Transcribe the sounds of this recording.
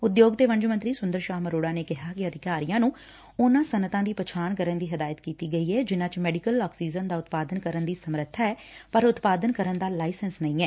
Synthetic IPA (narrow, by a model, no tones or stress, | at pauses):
ʊd̪joːɡt̪eːʋə̃ɲd͡ʒmənt̪ɾiːsʊnd̪əɾʃaːməɾoːɽaːneːkɪɦaːkɪəd̪ʱɪkaːɾijãːnũː | ʊnãːsənət̪ãːd̪iːpət͡ʃʰaːɳkəɾənd̪iːɦəd̪aːjət̪kiːt̪iːɡəiːɛːd͡ʒɪnãːt͡ʃmɛːɖɪkəlːaːksiːzənd̪aːʊt̪paːd̪ənkəɾənd̪iːsəmɾət̪ʰːaːɛːpəɾʊt̪paːd̪ənkəɾənd̪aːlaːisənsnəĩːɛː